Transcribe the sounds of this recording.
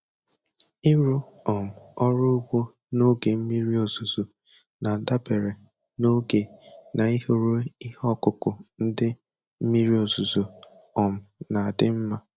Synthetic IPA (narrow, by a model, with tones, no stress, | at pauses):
ɪ˦ɾu˦ɔ˨m̩˨ɔ˦ɾʊ˦u˦ɡ͡bo˦ | no˦ɡe˨m̩˦mi˦ɾi˦o˨zu˨zo˨ | na˨da˦be˨ɾe˨ | no˦ɡe˨na˨i˦ho˨ɾu˦i˦hɔ˦kʊ˨kʊ˨n̩˦dɪ˦ | m̩˦mi˦ɾi˦o˨zu˨zo˨ɔ˨m̩˨na˨a˨dɪ˦m̩˦ma˦